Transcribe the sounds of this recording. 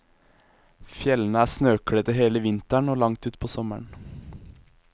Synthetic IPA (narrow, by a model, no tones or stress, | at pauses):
fjɛlən̩əæːsnøːkɽət̪əɦeːləʋɪnt̪əɳoːlɑŋt̪ʉːt̪pʰoːsɔməɳ